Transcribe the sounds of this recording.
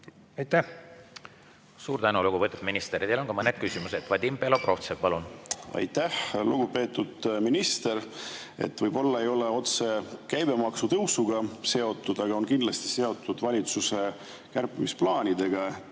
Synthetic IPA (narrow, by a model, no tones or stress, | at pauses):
ɑjt̪ːæh | suːɾt̪ænuluɡuvɤt̪ud̪̥minist̪eɾid̪elonkɑmɤnːed̪̥kysimused̪̥vɑd̪impelopro̞ft̪sepɑlunɑ̰jt̪æhluɡ̥upe̞ːt̪ːud̪̥minist̪e̞ɾ | e̞̰t̪ːvɤjbo̞lːɑe̞jo̞le̞o̞t̪se̞kæjb̥e̞mɑksut̪ɤwsuɡɑse̞o̞t̪ːˑud̪̥ɑɡɑonkind̪lɑst̪i̥se̞o̞t̪ːˑud̪̥vɑlʲit̪suse̞ | kærpːimisplɑːnʲid̪̥e̞ɡ̥ɑ